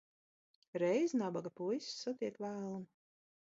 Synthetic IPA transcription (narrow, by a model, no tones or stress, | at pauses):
ɾɛjznabaɡapujsːat̪iɛkt̪væːlˠum